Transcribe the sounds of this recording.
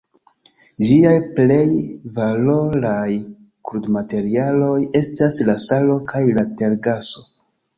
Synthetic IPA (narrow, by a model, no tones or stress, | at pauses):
d͡ʒiajple̞jvalo̞ɾaj | kɾudmate̞ɾialo̞je̞staslasalo̞kʰajlate̞ɾɡaso̞